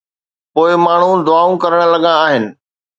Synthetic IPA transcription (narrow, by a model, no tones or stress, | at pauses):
poːɪmaːɳ̤ũd̪ʊaːũkɐɾəɽ̃lɐɠãaːɦɪnɪ̆